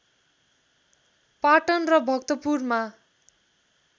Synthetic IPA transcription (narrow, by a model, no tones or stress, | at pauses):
paʈʌnrʌbʱʌkt̪ʌpurma